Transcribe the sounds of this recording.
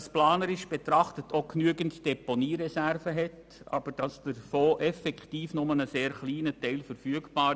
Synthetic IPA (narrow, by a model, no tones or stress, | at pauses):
splaːnəɾɪʃb̥ɛtɾɑχtətʰoknyəɡəntd̥ɛponiːɾɛsærvəɦɛt | ɑ̰b̥əɾd̥ɑsd̥əɾfoːʔɛfɛktiːfnʊmənəseːɾχliːnətɛɪlfəɾfyəɡb̥ɑː